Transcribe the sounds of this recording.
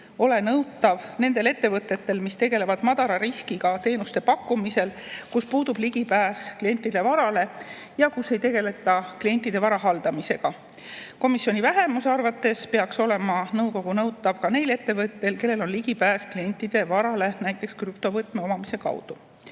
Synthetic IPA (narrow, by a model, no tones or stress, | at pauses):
o̞le̞nɤwt̪ːˑɑvne̞nd̪e̞le̞t̪ːe̞vɤt̪ːˑe̞t̪ːe̞lmist̪e̞ɡe̞le̞vɑd̪̥mɑd̪̥ɑɾɑɾiskiɡ̥ɑt̪e̞ːnust̪e̞pɑkːˑumise̞lkuspuːd̪ub̥liɡ̥ipæːsklie̞nʲt̪ːˑid̪̥e̞vɑɾɑle̞ | jɑkusːe̞jt̪e̞ɡ̥e̞le̞t̪ːˑɑklie̞nʲt̪ːˑid̪̥e̞vɑɾɑɦɑld̪̥ɑmise̞ɡ̥ɑ | ko̞misːjo̞nʲivæɦe̞musɑrvɑt̪ːˑe̞spe̞ɑkso̞le̞mɑnɤwko̞ɡ̥unɤwt̪ːˑɑvkɑne̞jle̞t̪ːe̞vɤt̪ːe̞lke̞lːelo̞nliɡ̥ipæːsklie̞nʲt̪ːˑid̪̥e̞vɑɾɑle̞næjt̪ˑːe̞kskrypt̪o̞vɤt̪ːˑme̞o̞mɑmise̞kɑ̰wd̪̥u